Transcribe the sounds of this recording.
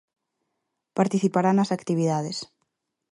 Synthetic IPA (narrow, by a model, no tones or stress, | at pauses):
paɾt̪iθipaɾanɐsakt̪iβiðaðes